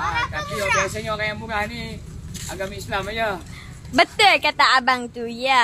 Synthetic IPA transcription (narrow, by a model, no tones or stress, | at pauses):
tat̪ijobiasaɲoɾajaŋmuɾahnia̰ɡamislamajə | bət̪ʊrkat̪aːbaŋt̪uja